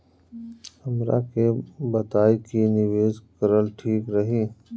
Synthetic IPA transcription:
hɐmɾa̰kebɐt̪aːikinɪʋeːzkəɾəlʈʰiːkɾɐɦiː

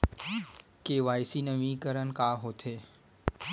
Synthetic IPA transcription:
keːʋaːjsiːnəʋĩːkəɾənkaːɦot̪ʰeː

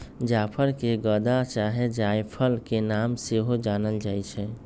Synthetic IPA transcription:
d͡ʒapʰəɾkeɡəd̪at͡ʃaɦɛd͡ʒajpʰəlkenamseɦod͡ʒanəld͡ʒaːjt͡ʃʰɛ

